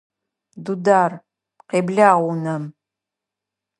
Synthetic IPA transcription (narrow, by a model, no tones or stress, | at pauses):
dudaːr | qeːbɮaːʁʷunɐm